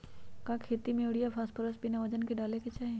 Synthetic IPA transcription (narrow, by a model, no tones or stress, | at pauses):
kakʰeːt̪imẽɽijapʰaːspəɾəsbɪnaʋəd͡ʒənkeɖaːleket͡ʃaːɦẽ